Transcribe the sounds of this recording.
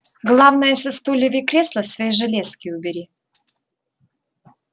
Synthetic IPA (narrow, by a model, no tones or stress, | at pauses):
ɡlˠavnəjəsʲɪst̪ulʲɪvʲikɾʲeslˠəsvʲɐjiʐɨlʲeskʲɪʊbʲɪɾʲi